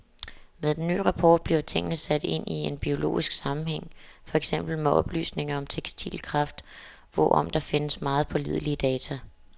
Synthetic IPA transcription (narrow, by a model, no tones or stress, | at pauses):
meðˠd̥enːy̰ːʁɑ̈pʰɒ̰ːd̥̚b̥liʊt͡sʰe̝ŋ̰nəsæd̥e̝n̰ie̝nb̥io̝lo̝̰ːisɡ̥sɑ̈mm̩heŋ̰fɒ̽eɡ̥sem̰b̥l̩meʔɒ̽b̥ly̰ːsne̝ŋɐɒ̽mt͡sʰeɡ̥sd̥ʰḭlkʰʁɑ̈fd̥ | ʋɒ̰ʔɒ̽m̰d̥ɑ̈fe̝nəsmɑ̈ːð̞̩ˠpʰɒ̽liðˠliəd̥ɛːt͡sʰæ